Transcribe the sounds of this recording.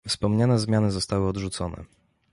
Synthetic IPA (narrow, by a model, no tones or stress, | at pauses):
fspɔmɲanɛzmʲjanɘzɔst̪awɘɔd̪ʐut̪sɔnɛ̰